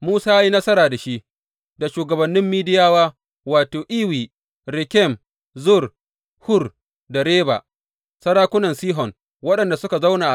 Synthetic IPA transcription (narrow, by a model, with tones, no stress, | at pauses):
muː˦saː˦i˦nɐ˦sɐ˦ɾaː˨da˨ʃi˦ʔ | da˨ʃuː˨ɡɐ˨bɐ˨nːɪ˦mːiː˦dɪ˦jaː˦waː˦ | waː˨toː˨ʔiː˦wiː˨ | ɾɪ˨kʲɛ˦˨m | zʊ˦˨r | hʊ˦r | da˨ɽeː˦ba̰˨ | sɐ˦ɽaː˦kʷʊ˦nɐ˨nsiː˦ɦɔ˨ŋ | wɐ˦ɗɐ˨nda˨sʊ˦ka˨za˦wnaː˨ʔ